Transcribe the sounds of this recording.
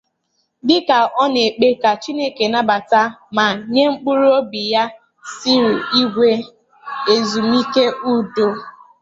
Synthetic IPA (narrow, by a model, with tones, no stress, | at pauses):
dɪ˦ka˨ʔɔ˦ne˨k͡pe˦ka˨t͡ʃi˦ne˦ke˨na˦ba˨ta˦ma˨ɲe˦ŋ͡m̩˦k͡pu˦ɾu˦o˦bi˨ja˦ | si˦ɾi˨i˦ɡʷe˦ | e˨zu˨m˦i˦ke˦ʔu˦do˦